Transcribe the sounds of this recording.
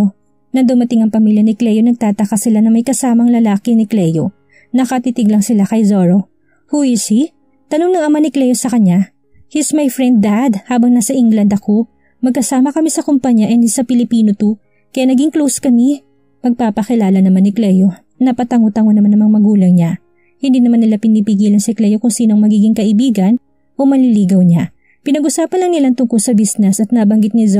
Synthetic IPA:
nɐd̪ʊmɐt̪ɪŋɐŋpɐmiljɐnɪklɛjonɐɡ̚t̪aːt̪ɐkasɪlanɐmɐjkɐsaːmɐŋlɐlaːkɪnɪklɛjo | nɐkɐt̪it̪ɪɡlɐŋsɪlakɐjzoɹo̞ | huisi | t̪ɐnoŋnɐŋɐŋmɐnɪklɛjosɐkɐɲja | hɪsmɐjfɹɛnd̪̚ːad̪haːbɐŋnasɐʔɪŋɡlɐnd̪ɐko̞ | mɐɡ̚kɐsaːmɐkɐmisɐkʊmpɐɲaʔɛnsɐpɪlɪpiːnot̪u | kɐjaːnɐɡiŋklowskɐmi | mɐɡ̚paːpɐkɪlaːlɐnɐŋmɐnɪklɛjo | nɐpɐt̪ɐŋot̪ɐŋonɐmanɐmɐŋmɐɡuːlɐŋɲa | hɪnd̪iːnɐmanːɪlapɪniːpɪɡiːlɐnsɐklɛjokʊŋsiːnoɐŋmɐɡiːɡɪŋkɐʔɪbiːɡɐn | ʔo̞mɐliliːɡɐwɲa | pɪnɐɡʔʊsaːpɐnlɐŋnɪlant̪ʊŋkolsɐbisnɛsɐt̪̚nabɐŋɡɪt̪̚nɪz

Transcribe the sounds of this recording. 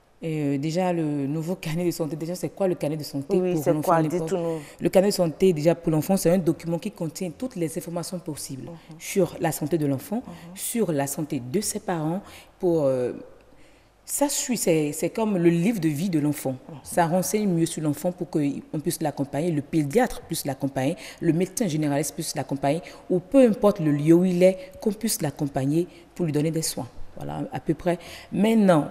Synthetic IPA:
eød̪eʒalənuvokaned̪əsɑ̃t̪ed̪eʒasɛkwaləkaned̪əsɑ̃t̪epuʁlɑ̃fd̪ɛ̃ɔləkaʁnedəsɑ̃t̪ed̪eʒapuʁlɑ̃fɑ̃sɛt̪ɛ̃d̪ɔkʲymɑ̃kʲikɔ̃t̪jɛ̃t̪ut̪lɛzɛ̃fɔʁmasjɔ̃pɔsiblsyʁlasɑ̃t̪ed̪əlɑ̃fɑ̃syʁlasɑ̃t̪ed̪əsɛpaʁɑ̃puʁø | sasɥisɛsɛkɔmləlivʁd̪əvid̪əlɑ̃fɑ̃saʁɑ̃sɛɲmjøsyʁlɑ̃fɑ̃puʁkəɔ̃pɥislakɔ̃paɲeləped̪jat̪χplyslakɔ̃paɲeləmed̪sɛ̃ʒeneʁalist̪pɥislakɔ̃paɲeupøɛ̃pɔʁt̪ləljøuilɛkɔ̃pɥislakɔ̃paɲe | puʁlɥid̪ɔned̪ɛswɛ̃vwa̰la̰a̰pøpχɛmɛ̃t̪nɑ̃

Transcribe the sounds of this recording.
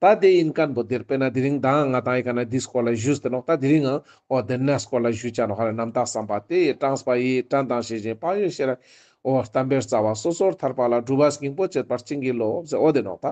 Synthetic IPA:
t̪ad̪einkanbod̪eɾpenad̪iɾiŋd̪aŋat̪ãŋjikanad̪iskolaʒust̪enot̪ad̪iɾiŋa | od̪ənːaskolaʒut͡ʃanɔχaɾenamt̪asampat̪eʈ͡ʂaŋspajiʈ͡ʂant̪aŋʃed͡ʒẽpajoʃeɾa | oht̪ambeɾt͡sawasosoɾt̪ʰaɾpalaɖ͡ʐubasɡiŋpot͡ʃet̪̚paɾt͡ʃiŋɡilopzeʔod̪enɔ̰t̪a

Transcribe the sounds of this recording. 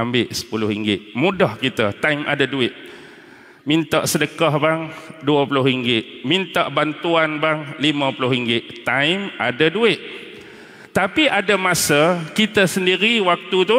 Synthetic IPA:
ambɪʔsə̥pulʊɦiŋɡɪʔmudɔhkit̪ət̪ajmʔa̰daduɪʔ̚ | mint̪aʔsədəkahbaŋduapulʊhɾiŋɡɪʔ̚mint̪aʔbant̪uanbaŋlimãpulʊɦɾiŋɡɪʔt̪ajmadaduɪʔ | t̪apiʔadamasəkit̪əsəndiɾiwak̚t̪ut̪u

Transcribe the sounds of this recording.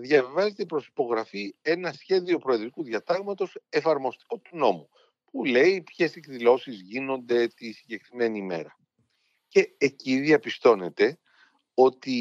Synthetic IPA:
ðʝɐvivɐzet̪epɾo̞si̥po̞ɣɾɐfie̞nɐsçe̞ðio̞pɾo̞eðɾikuðʝɐt̪ɐɣmɐt̪o̞se̞fɐɾmo̞st̪i̥ko̞t̪uno̞mu | pule̞ipçe̞sekðilo̞sizʝino̞nd̪e̞t̪isiɲɟe̞kɾime̞nime̞̰ɾɐ | ce̞ːciðiɐpist̪o̞ne̞t̪e̞ | o̞t̪i

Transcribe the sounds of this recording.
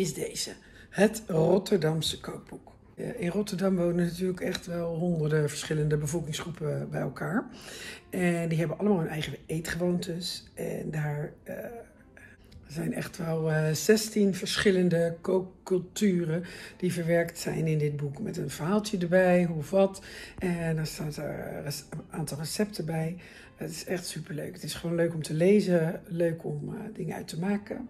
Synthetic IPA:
ɪzdeːz̥ə | hətrɔtəɹdɑmsə̥kʰowk̚b̥uk | ɪnrɔtəɹdɑmʋownənatyːləkɛχtʋɛlˠɦɔndəɹdəvəɹsχɪləndəbəvɔlˠkɪŋsχrupəbɛjɛlˠkʰaːɹ | ɛndiɦɛbənʔɑlˠəmaːlˠɦənɛjχəejtχəʋowntəsʔɛ̰ndaːɹ | zɛjnɛ̰χtʋɛlˠzɛstinvəɹsχɪləndəkoːkɵlˠtyːrəd̥ivəɹʋɛɹktsɛ̰jnɪndɪt̚bukmɛtənvəɹɦaːlˠtjədəɹbɛjɦuɔfʋɔtʔɛndɔstaːtə̰ɹ | ʔaːntɑlˠrəsɛp̚təbɛj | aətɪ̥sɛxtsypəɹløːkətɪsχəʋoːnløːkɔmtʰəleːzəløːkʰɔmdɪŋəœ̰ɥtʰəmaːkə

